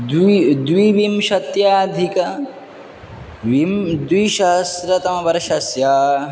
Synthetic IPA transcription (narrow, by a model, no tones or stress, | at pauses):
d̪d̪ʋiʋimʃɐt̪jaːd̪ʱikɐ | imd̪ʋiʃɐɦɐsɾɐt̪ɐmɐʋɐɾʃɐsjaː